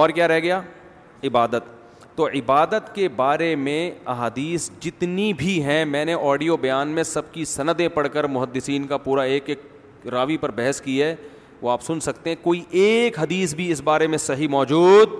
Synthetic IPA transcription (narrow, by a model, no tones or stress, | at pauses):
ɔːɾkjaːɾɛɦɡɐjaː | ɪbaːd̪ət̪ː | oːʔɪbaːd̪ət̪kebaːɾemẽɐɦaːd̪iːsd͡ʒɪt̪nibʱiɦɛ̃mɛ̃ːneʔɔːɖijobɐjaːnmẽsɐb̚kisɐnəd̪ẽpɐɽkəɾmʊɦəd̪ːɪsiːnkapuːɾaeːkek | ɾaːʋipɐɾbɛɦəskiɦɛː | ʋoaːpsʊnsɐk̚t̪eɦɛ̃koːiʔeːkɦɐd̪iːs̬bʱiɪs̬baːɾemẽsɐɦimɔːd͡ʒuːd̪̚